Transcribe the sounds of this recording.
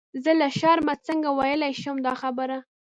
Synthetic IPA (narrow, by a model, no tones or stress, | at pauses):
zəlaʃɑɾmat͡səŋɡawajəlajʃumd̪ɑxabəɾa